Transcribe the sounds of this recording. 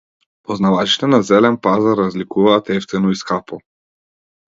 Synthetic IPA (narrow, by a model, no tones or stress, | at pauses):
pɔznavat͡ʃi̥t̪ɛnazɛlɛnpazaɾːazlikuvaːt̪ɛft̪ɛnɔiskapɔ